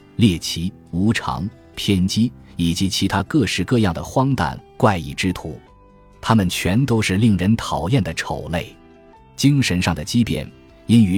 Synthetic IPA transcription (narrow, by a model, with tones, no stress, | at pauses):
ljɛ˥˩t͡ɕʰi˧˥ | u˧˥ʈ͡ʂʰɑ̰˧˥ŋ | pʰjɛ˥nt͡ɕi˥i˨˩t͡ɕi˧˥t͡ɕʰi˧˥t̪ʰa˥kɤ˥˧ʂɻ̩˥˩kɤ˥˧jɑ˥˩ŋd̪ə̰˩xwɑ˥ŋt̪a̰˨˩˦nkwa˥˧ɪi˥˩ʈ͡ʂɻ̩˥t̪ʰṵ˧˩˦ | t̪ʰa˥mə˨nt͡ɕʰɥɛ˧˥nt̪o˥ʊʂɻ̩˥˧li˥˩ŋɻə˧˥nt̪ʰɑ˨˩ʊjɛ˥˩nd̪ə˩ʈ͡ʂʰo˨˩ʊle˥˩ɪ | t͡ɕi˥ŋʂə˧˥nʂɑ˥˩ŋd̪ə˩t͡ɕi˥pjɛ̰˨˩n | i˥ny˧˥